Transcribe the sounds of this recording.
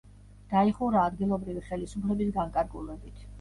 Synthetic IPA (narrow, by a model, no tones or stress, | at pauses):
d̪̥aiχuɾaːd̪ɡilˠɔbɾiviχɛlisupʰlɛbisɡaŋkʼaɾɡulˠɛbit̪ʰ